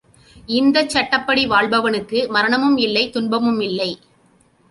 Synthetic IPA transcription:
ɪnd̪ɐt͡ʃːɐʈːɐpːɐɽiʋaːɭbɐʋɐnɯkːɯmɐɾɐɳɐmɯmɪlːɐɪt̪ʊɳbɐmɯmɪlːɐɪ

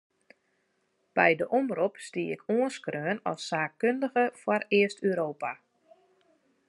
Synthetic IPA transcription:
b̥ɛjdəʔomrupstiəɪkʰoənskrøːnɔ̰sːaːkkøndəɣəfwɔrɪəstyɾoːpa

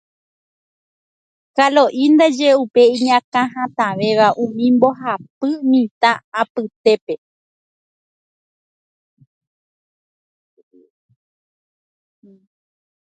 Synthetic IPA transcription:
kalo̞ʔind̪ad͡ʒe̞upe̞ĩɲãkãɦãt̪ãʋe̞ʋaʔũmĩmbo̞ɦapɨmĩt̪aːapɨt̪e̞pe̞

